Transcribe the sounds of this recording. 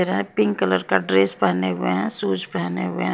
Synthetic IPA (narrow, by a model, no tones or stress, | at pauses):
eɾɦɛ̃pɪ̃ŋɡkələɾkaɖɾeːspaneɦʊeɦɛ̃suːd͡ʒpaneɦʊḛɦ